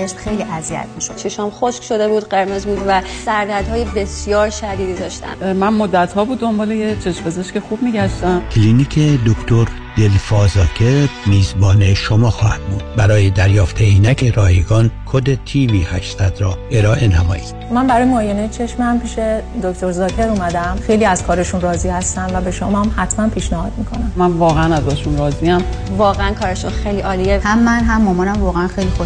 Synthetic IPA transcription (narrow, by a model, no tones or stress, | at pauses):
t͡ʃeʃmxe̞jliʔæziæ̰t̪miʃod̪t͡ʃʰeʃɒmxoʃkʃod̪e̞buːd̪ɢe̞ɾmezbuːd̪væsæɾd̪æɾd̪hɒːjebe̞sijɒːɾʃæd̪iːd̪iːd̪ɒːʃt̪æ̰nmænmod̪ːæt̪hɒːbuːd̪ːo̞mbɒːlejet͡ʃʰe̞ʃmpe̞zeʃcexuːb̥miːɟæʃt̪æmkʲʰliniːkʰed̪okʰt̪ʰoɾ | d̪̥elfɒːzɒːkʰemiːzbɒːneʃomɒːxɒːhæ̰d̪̥̚buːd̪̥bæɾɒːjed̪æɾjɒːft̪ʰeinækʰeɾɒːheɡɒːnkʰod̪et̪ʰiːviːhæʃsæd̪ɾɒːe̞ɾɒːʔe̞næmɒ̰ːjid̪̥mænbæɾɒːjemoːjenejet͡ʃʰe̞ʃmhæmpʰiːʃed̪okt̪oɾzɒːcʰe̞ɾuːmæd̪æmxe̞jliːæzkʰɒːɾeʃunrɒːzihæst̪æmvæbe̞ʃomæmhæt̪ʰmænpʰiːʃnæhɒːd̪mikʰonæmmænvɒːɣeænæzɾɒeʃunɾɒːziæmvɒːɣeænkʰɒːɾeʃɔxejliʔɒːlijehæmːænɦæmːomɒːnæmvɒːɣeænxejlixo